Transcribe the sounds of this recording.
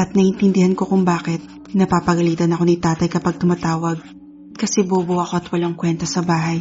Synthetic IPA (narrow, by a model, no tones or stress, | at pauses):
ɐt̪̚nɐhɪnt̪ɪnd̪ɪhɐnko̞kʊŋbaːkɛt̪̚ | nɐpaːpɐɡɐliːt̪ɐnɐko̞nit̪aːt̪ɐjkɐpɐɡ̚t̪ʊmat̪aːwɐɡ̚ | kɐsɛboːboʔɐko̞ʔɐt̪wɐlaŋkwɛnt̪ɐsɐbaːɦɐj